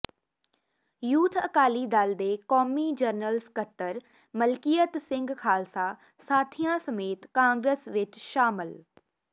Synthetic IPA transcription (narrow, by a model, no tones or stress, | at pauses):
juːt̪ʰə̰kaːliːd̪ald̪eːkɔːmiːd͡ʒəɾnəlskət̪ːəɾ | məlkiːjət̪sɪ̃ŋɡkʰaːlsaː | saːt̪ʰijãːsəmeːt̪kãːŋɡɾəsʋɪt͡ʃʃaːmɪl